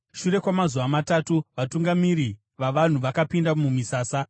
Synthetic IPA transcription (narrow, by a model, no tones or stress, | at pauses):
ʃuɾe̞kwamazuʋamatatuʋatuŋɡamiɾi | ʋaʋan̤uʋakapindamumisaːsa